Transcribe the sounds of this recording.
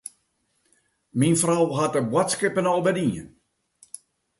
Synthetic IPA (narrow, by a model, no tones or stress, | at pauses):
minfrawɦat̚əbwɔtskɪpənɔlˠbədiən